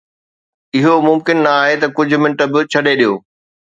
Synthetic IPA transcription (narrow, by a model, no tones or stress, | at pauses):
ɪɦomʊmkɪnːɐaːɦet̪ɐkʊd͡ʑʱʊ̆mɪ̃ɳʈəbɪt͡ɕʰɐɗeɗijoː